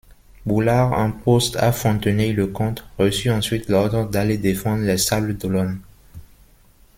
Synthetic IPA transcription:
bulaʁɛ̃post̪a̰fɔ̃t̪əneləkɔ̃t̪ʁəsyɑ̃sɥit̪lɔʁd̪ʁd̪aled̪efɑ̃d̪ʁlɛsabld̪əlɔn

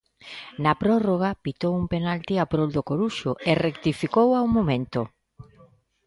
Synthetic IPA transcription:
nɐpɾɔroɣ̞apit̪owumpenalt̪iapɾold̪okoɾuʃʊʔerekt̪ifikowaumomẽnt̪o

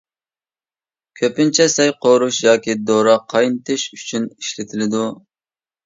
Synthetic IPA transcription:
kʲʰøpɪnt͡ʃʰɛsɛjqʰoɾuʃjɑːkʲʰid̪oɾɑqʰɑjnt̪ʰɪʃyt͡ʃʰyniʃlɪt̪ʰɪlɪd̪u

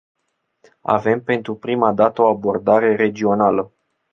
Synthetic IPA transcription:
a̰ve̞mpe̞nt̪ɾupɾimad̪at̪əo̞abo̞rd̪aɾe̞ɾe̞d͡ʒio̞nalə

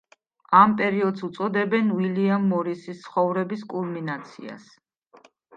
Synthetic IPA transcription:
ampʼɛɾiɔd̪sut̪sʼɔd̪ɛbɛnwiliamːɔɾisist̪sʰχɔvɾɛbiskʼulˠminat̪sʰḭa̰s

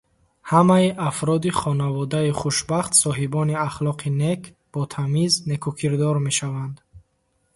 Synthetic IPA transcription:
hamaiʔafɾɔd̪iχɔnavɔd̪aiχuʃbaχt̪sɔɦibɔniaχlɔqʰine̞kʰ | b̥ɔt̪ʰamizne̞kʰukʰiɾd̪ɔɾme̞ʃavand̪

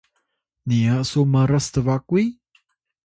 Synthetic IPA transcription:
niasuməɾəst̪əvakui

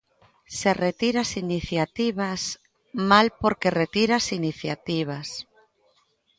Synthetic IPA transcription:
seret̪iɾasiniθjat̪iβas | malpoɾkeret̪iɾasiniθjat̪iβas

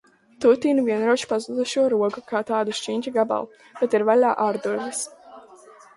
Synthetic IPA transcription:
t̪ut̪iːnvʲiɛnɾuɔt͡ʃpazud̪uʃuɔɾuɔɡukaːt̪aːd̪uʃt͡ʃiɲʲt͡ʃiɡaba̰lˠ | b̥ɛt̪iɾvalaːʔaːɾd̪uɾvis

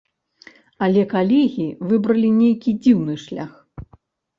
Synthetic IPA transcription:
ɐlʲɛkalʲɛɣʲivɨbɾɐlʲinʲejkʲid͡zʲiwnɨʂlʲa̰x

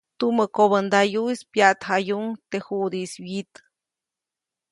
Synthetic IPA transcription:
t̪uməkoβənd̪ajuispjaʔt̪hajuŋt̪ehud̪isbjit̪

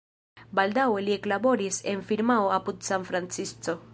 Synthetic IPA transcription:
baldawe̞lie̞klabo̞ɾise̞nfiɾmaoapudsanfɾant͡sist͡so̞

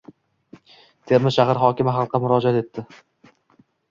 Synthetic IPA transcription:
t̪ʰe̞ɾmɪʃahaɾχɒkʲɪmɪɦɑlˠqːɑmʊɾɒd͡ʒat̪e̞t̪ʰːɪ

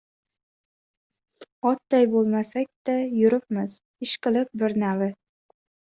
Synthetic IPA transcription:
ɒt̪d̪ajbolˠmasak̚ʲd̪ajʊɾɪp̚mɪz | ɪʃqɨlˠɪp̚bɪɾnavɪ

